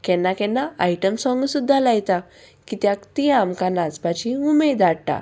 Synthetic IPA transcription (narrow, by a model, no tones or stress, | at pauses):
kɛnːakɛnːaajʈəmsɔ̃ŋɡsud̪ʱːalajt̪a | kit̪jakt̪ijamkanãt͡spat͡ɕiumed̪aɽʈa̰